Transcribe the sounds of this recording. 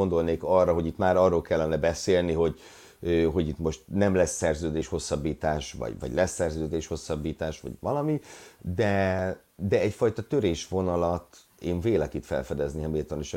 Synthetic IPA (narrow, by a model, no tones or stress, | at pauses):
ond̪o̞lneːkɒrːɒɦo̞ɟit̪maːɾɒrːoːlkɛlːɛnɛbɛseːlniɦo̞ɟ | øɦo̞ɟit̪mo̞ʃt̪nɛmlɛsːɛrzøːd̪eːʃho̞sːɒbːiːt̪aːʃvɒ̰ɟvɒ̰ɟlɛsɛrzøːd̪eːʃho̞sːɒbːiːt̪aːʃʋɒ̰ɟʋɒlɒmid̪ɛ | d̪ɛɛcfɒjt̪ɒt̪øɾeːʃʋo̞nɒlɒt̪ | eːɱveːlɛkit̪fɛ̰lfɛd̪ɛzniɛmilt̪oniʃ